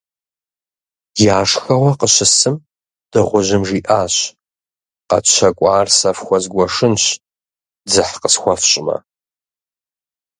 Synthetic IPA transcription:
jaːʂxɐwɐqəɕɪsɨm | d̥ɨʁʷʊʑɪmʐiːʔaːɕ | qɐ̰ɕʰɐkʷʼɑːrsɐfxʷɔzɡʷɔʂɨnɕ | d͡zɨħqəsxʷɔfɕʼɪmɐ̰

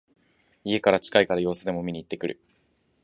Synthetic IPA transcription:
ie̞kaɾat͡ɕi̥kaikaɾajo̞ːsɨd̪e̞mo̞mʲiɲ̟iːt̪ːe̞kɯ̟ɾɯ̟

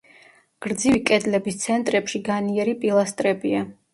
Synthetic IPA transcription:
ɡ̥ɾd̪zivikʼɛd̪lɛbist̪sʰɛnt̪ʼɾɛpʃiɡaniɛɾipʼilˠast̪ʼɾɛbia

